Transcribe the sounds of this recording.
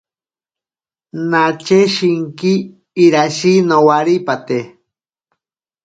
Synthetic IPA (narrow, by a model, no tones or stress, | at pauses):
nat͡ʃeʃiŋkiː | ɾaʃinowaɾipat̪e